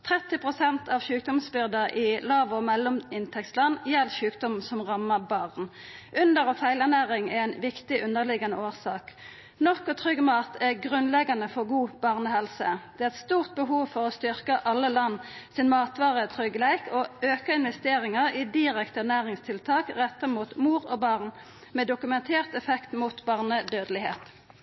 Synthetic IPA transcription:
t̪ʰʁɛt̪ːɪpʁʊsɛnt̪ʰɑʋʃʉːk̚d̪ɔmsbʏʁd̪əʔɪlɑːʋɔmɛlːɔmɪnt̪ʰɛkst̪lɑnjɛlɕʉːkd̪ɔmsɔmʁɑmːəbɑʁnʔʉnd̪əʁɔfæɪlæʁnæːʁɪŋɛæɪnʋɪkt̪ɪʔʉnːəʁlɪɡɑnəoːʁsɑːk | nɔʁkɔt̪ʰʁʏɡmɑːt̪ʰæʁɡʁʉnlɛɡɑnəfɔʁɡuːb̥ɑʁnəhɛlsəd̪̥ɛæʁɛt̪st̪uːʁt̪̚bəɦuːʋfɔʁɔst̪ʏʁkəʔɑlːəlɑnːsɪnmɑːt̪ʋɑːʁət̪ʰʁʏɡlæɪkʰoøːkəɪnʋɛst̪eːʁɪŋəʁiːd̪ɪʁɛkt̪əænæːʁɪŋst̪ʰɪlt̪ʰɑːkʁɛt̪ːəmuːt̪muːʁɔbɑʁn | meːd̪ʊkʉmɛnt̪ʰeːʁt̪ɛfɛkt̪muːt̪bɑʁnəd̪øːd̪lɪhḛːt̪

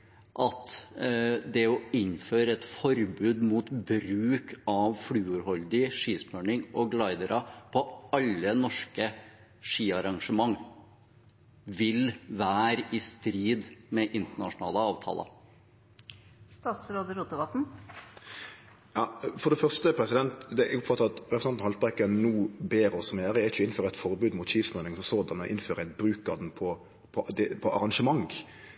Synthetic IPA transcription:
ʔɑt̪ | d̪ɛɔɪɲːføːɾəɛt̪fɔɾbʉːd̪muːt̪bɾʉːkʰɑʋfɽʉːʉɾhɔld̪ɪʂiːspøːɳɪŋɔɡlɑɪd̪əɾʔɑpʰɔɑlːənɔʂkə | ʂiːɑɾɑŋʂəmɑŋː | ʋɪlʋæːɾɪst̪ɾiːd̪mɛʔɪnt̪əɳɑʂʊnɑ̰ːləɑːʋt̪ʰɑ̰ːlə̰ɾ | st̪ɑːt̪sɾoːd̪əɾuːt̪əʋɑt̪n̩ | jɑːfɔd̪ɛfœʁst̪əpʰɾɛsɪd̪ɛnt̪d̪ɛʊpfɑt̪ːəɾɑt̪ɾɛpɾsɛnnhɑlt̪̚ʁɛkːənnuːbeːɾɔsɔmjøːɾəɛɪt͡ʃəɪnføːɾəɛɪt̪fɔɾbʉːd̪mʊt̪ʃiːsmœnɪŋsɔmsoːd̪ɛnmɛʔɪ̰nføːɾəæɪt̪̚bɾʉːkɑd̪npʰɔ | pʰɔd̪ɛpʰɔɑɾɑnʂəmɑŋ

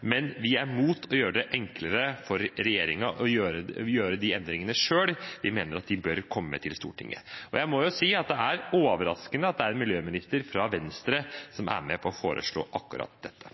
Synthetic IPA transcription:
mɛnʋɪæɾmuːt̪ʰɔjøːɾəd̪ɛʔɛŋkləɾəfɔɾːɛjeːɾɪŋɑʔɔjøːɾəjøːɾəd̪ɪɛnd̪ɾɪŋənəʂøːlʋɪmeːnəɾɑt̪̚d̪ɪbœɾkʰɔmːəːə̰t̪ʰɪlst̪ṵːʈʰɪ̰ŋːə̰ɔjæɪmɔjʊsiːɑt̪̚d̪ɛæɾoːʋəɾɑ̰skənəɑt̪̚d̪ɛæɾɛnmɪljøːmɪnɪst̪əɾfɾɑʋɛnst̪ɾəsɔmʔæ̰ɾmɛpʰɔɔfoːɾʔə̰ʂɭo̰ːʔɑkːʉɾɑ̰t̪̚d̪ɛt̪ʰːə̥

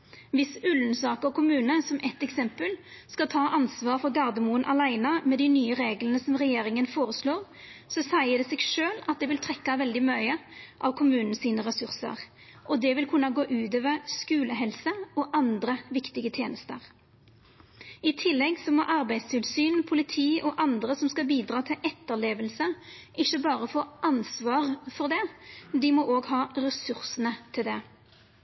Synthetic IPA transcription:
ʋɪsʉlnsɑːkəɔkʰʊmʉːnəsɔmʔɛt̪ːɛksɛmpəl | skɑt̪ʰɑːʔɑnsʋɑːɾfɔɾɡɑʁd̪əmuːənʔɑlæɪnɑmɛd̪ɪnyːəʁeːɡlənəsɔmʁɛjeːɾʁɪŋənfoːɾəsloːɾ | sɔsæɪəd̪ɛːseːɡʂøːlɑt̪̚d̪ɛʋɪlt̪ʰʁɛkːɑʋɛld̪ɪmœʏəʔɑʋkʰʊmʉːnn̩siːnəʁɛsʉɾsə̰ʁ | ʔɔd̪ɛʋɪlkʰʉnːɑɡoːʔʉːt̪øːʋəʁskʉːləɦɛlsəɔʔɑnd̪ʁəʋɪkt̪ɪɡət̪ʰjeːnəst̪əʁ | ɪt̪ʰɪlːɛɡsɔmɔʔɑʁbæɪd̪st̪ʰɪlsyːnpʰʊlɪt̪ʰiːʔɔʔɑnd̪ʁəsɔmskɑbiːd̪ʁɑːt̪ʰɪlʔɛt̪ːəʁleːʋəlsəɪçːəbɑːʁəfoːʔɑnsʋɑːʁfɔʁd̪ɛd̪ɪmɔʔoːɡɦɑːʁɛsʉʁsənət̪ʰɪld̪ɛ

